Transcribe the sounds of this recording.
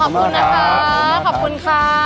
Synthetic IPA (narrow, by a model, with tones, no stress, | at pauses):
ɔ˨˩p̚kʰu˧nːaː˦˥kʰa˦˥a˦˥˩kʰɔː˨˩p̚ku˧nkʰaː˧